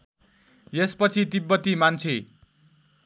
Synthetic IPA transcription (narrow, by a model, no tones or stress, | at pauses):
jespʌt͡sʰit̪ibːʌt̪imant͡sʰe